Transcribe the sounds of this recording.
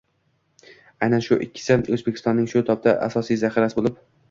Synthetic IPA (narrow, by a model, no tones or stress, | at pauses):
ajnanʃʊʔɪkʲʰːɪ̥sɪɵzbekʲʰɪst̪ɒnːɪŋʃʊt̪ʰɒp̚d̪ʰaʔa̰sɒsijzaχɪɾasɪbolˠɪp